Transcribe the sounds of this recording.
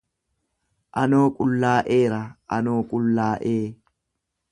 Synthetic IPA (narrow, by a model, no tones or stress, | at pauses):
ʔɐno̞ːkʼʊlːaːʔeːɾɐʔɐ̰noːkʼʊlːaːʔeː